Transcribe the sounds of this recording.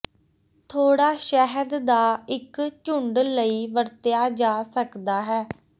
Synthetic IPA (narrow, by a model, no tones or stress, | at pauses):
t̪ʰoːɽaːʃɛɦəd̪d̪aːɪkt͡ʃʊɳɖləiːʋəɾt̪ɪjaːd͡ʒaːsəkd̪aːɦɛː